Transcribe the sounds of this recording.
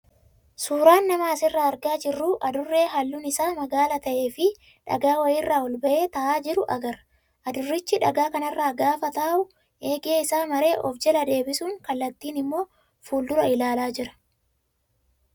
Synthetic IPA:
suːɾaːnːɐmɐːsɪrːaːɐɾɡaːd͡ʒɪrːuːʔɐd̪ʊrːe̞ːɦɐlːuːnɪsaːmɐɡaːlɐt̪ɐʔe̞ːfɪ | ᶑɐ̰ɡaːwɐjɪːrːaːwɔlbɐʔe̞ːt̪ɐʔaːd͡ʒɪɾʊʔɐ̰ɡɐɾ | ʔɐd̪ʊrːɪt͡ʃːɪᶑɐɡaːkɐnɐrːaːɡaːfɐt̪ɐʔʊ | e̞ːɡeːɪsaːmɐɾe̞ːʔɔ̰fd͡ʒɛlɐd̪e̞ːbɪsuːŋkɐlːɐt̪ːiːnɪmːo̞ː | fuːld̪ʊɾɐɪlaːlaːd͡ʒɪɾɐ̥

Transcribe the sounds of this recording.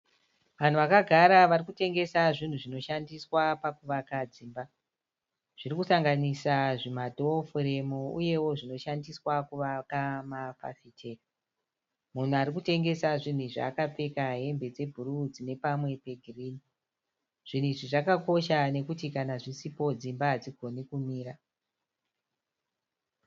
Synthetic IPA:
ʋan̤uʋakaɡʱaɾaʋarikute̞ŋɡe̞saʐin̤uʐino̞ʃandiswapakuʋakad͡ziːmba | ʐ̥irikusaŋɡanisaʐimadʱofuɾemouje̞wo̞ʐino̞ʃandiswakuʋakamafa̰sitʰeka | mun̤uaɾikute̞ŋɡe̞saʐin̤uʐa̰ːkap͡fe̞kaɦe̞mbe̞d͡ze̞bʱuɾud͡zine̞pamwe̞pe̞ɡʱiriːni | ʐ̥in̤iʐiʐakako̞ʃane̞kutikanaʐisipo̞d͡zimbaɦːd͡ziɡʱo̞nikumiːɾa

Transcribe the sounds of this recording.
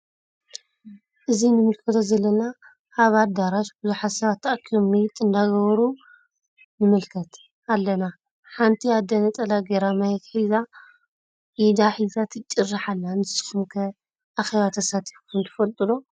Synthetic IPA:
ʔɨzinɨmɨlkʰɐt̪ʰozɐlːɐna | ʔːβad̪aɾaʃbɨzuħasɐβat̪ʰːaʔkʰijomːɨjɪt̪ʼɨnd̪aɡɐβɾu | nɨmɨlkʰɐt̪ | alːɐna | ħant̪ʰiad̪ɐnɐt̪ʼɐlaɡeɾamahet̪ħiza | ʔid̪aħizat̪ʰɨt͡ʃʼːɨrːaħalːanɨsɨ̥xumkʰɐ | ʔaxeβat̪ʰɐsat̪ʰi̥fukʰɨnt̪ʰɨ̥fɐlt̪ʼɨlo

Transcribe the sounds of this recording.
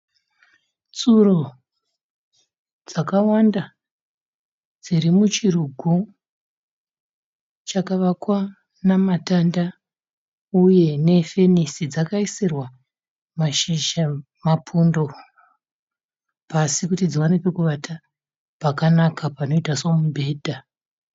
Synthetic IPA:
t͡suro | d͡zakawanda | d͡ziɾimut͡ʃiruɡʱu | t͡ʃakaʋakwa | namatanda | uje̞ne̞fe̞nisid͡zakaisirwa | maʃiʒa | mapʰundo̞ | pasikutid͡ziwanipekuʋatʰa | pakanakʰapano̞itaso̞mubʱe̞ːdʱa

